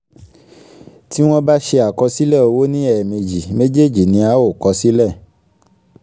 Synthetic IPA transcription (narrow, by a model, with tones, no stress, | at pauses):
ti˦w̃ɔ̃˦ba˦ʃe˧a˨kɔ˧si˦lɛ˦˨o˧wo˦nĩ˦ɛ˨me˨d͡ʒi˨me˦d͡ʒe˦˨d͡ʒi˨nĩ˧˦a˦wo˦˨kɔ˧˦si˦lɛ˦˨